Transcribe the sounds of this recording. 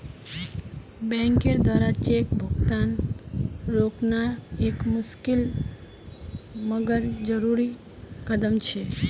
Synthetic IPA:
bɛ̃ŋkeɾd̪waːɾat͡ʃekbʱuɡt̪an | ɾoknaekmʊskɪl | məɡəɾd͡ʒəɾuɾi | kəd̪əmt͡ʃʰe

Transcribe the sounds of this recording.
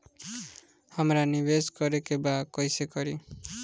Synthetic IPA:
hamɾanibeskʌɾekebakɔjsekʌɾi

